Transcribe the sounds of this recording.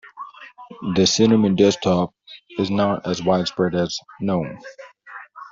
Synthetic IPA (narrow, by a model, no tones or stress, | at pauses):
ðɨsɪnɨmɨ̃ndɛstʰɑp̚ɨznəɾɨzwaɪd̥spɹɛɾɨz̥nõʊ̃n